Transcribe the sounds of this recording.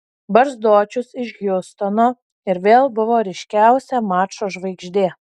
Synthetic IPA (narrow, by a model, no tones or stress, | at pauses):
bɐɾzd̪oːt͡ʃʲʊsɪʃjʲʊst̪onoː | ɪɾʋʲeːlˠbʊʋoːɾʲɛɪʃʲkʲæˑʊsʲɛmɑːt͡ʃoːʒʋɐɪɡʒʲd̪ʲeː